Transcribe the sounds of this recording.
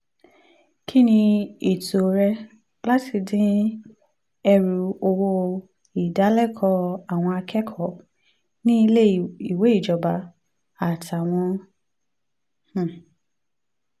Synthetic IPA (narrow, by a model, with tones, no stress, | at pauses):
kʰi˦nĩ˧e˨to˨ɾɛ˧ | la˦ti˧dĩ˦ | ɛ˧ɾu˨o˧wo˧ | i˨da˨˦lɛ˦˨kʰɔ˧a˦˨w̃ɔ̃˧a˧kʰɛ˦kʰɔ˦˨ | nĩ˦i˧le˦i˨we˨˦i˦˨d͡ʒɔ˨ba˨ | a˨tʰa˨w̃ɔ̃˧ | h̩˨